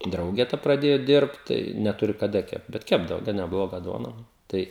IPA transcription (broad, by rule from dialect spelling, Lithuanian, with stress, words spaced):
ˈdrɐʊɡʲɛ tɐ prɐˈdʲeːjʊ ˈdʲɪrpt tɐɪ nʲɛˈtʊrʲɪ kɐˈdɐ ˈkʲɛpt bʲɛt ˈkʲæːbdɐʋoː ɡɐn nʲɛˈblˠoːɡɐ ˈduɔnɐ ˈtɐɪ